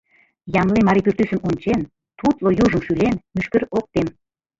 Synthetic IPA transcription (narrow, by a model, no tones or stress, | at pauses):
jɑmlemɑɾipyrt̪ysəmunʲt͡ɕen | t̪ut̪lojuʒə̆mʃylenmyʃkə̆ɾok̚t̪em